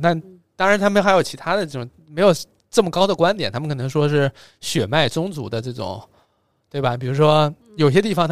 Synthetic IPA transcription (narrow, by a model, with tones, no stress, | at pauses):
t̪a˥˩n | t̪ɑ˥ŋɻa˧˥nʰa˥mə˧˥n˥xa˧˥ɪjo˨˩ʊt͡ɕʰi˧˥t̪ʰa˥d̪ə˨ʈ͡ʂɤ˥˩ʈ͡ʂʊ˨˩ŋ | me˧˥ɪjo˨˩ʊ | ʈ͡ʂɤ˥˩mə˩kɑ˥ʊd̪ə˨kwa˥nt̪̬jnt̪ʰa˥ə˨kʰɤ˨˩n˧˥ŋʂwɔ˥ʂɻ̩˥˩ | ɕɥɛ˨˩ma˥˩ɪt͡sʊ˥ŋt͡sṵ˧˥d̪ə˧ʈ͡ʂɤ˥˩ʈ͡ʂʊ̰˨˩˦ŋ | t̪we˥˩ɪbɐ˩p̬i˨˩ɻu˧˥ʂwɔ˥ | jo˨˩ʊi˩ɕjɛ˥t̪i˥˩fɑ˩ŋt̪ʰ